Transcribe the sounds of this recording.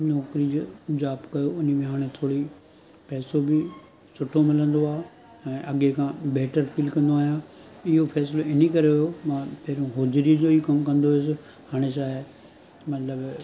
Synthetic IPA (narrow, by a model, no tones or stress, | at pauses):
nɔːkɾid͡ʑod͡ʑaːbkɐjoʊnə̆mẽɦaːɽ̃et̪ʰoːɽi | pɛːsobɪ | sʊʈʰomɪlə̃nd̪oaːe | ɛ̃ːʔɐɠekʰãːbɛːʈəɾfiːlkɐ̃nd̪oaːɦijãɪɦofɛːs̬loɪnikɐɾeʊjomãːpɐɦɪɾũɦoːd͡ʑɾid͡ʑoːikɐmkɐ̃nd̪oɪs̬ɪ̆ | haːɽ̃eʃaːɪ | mɐt̪ləb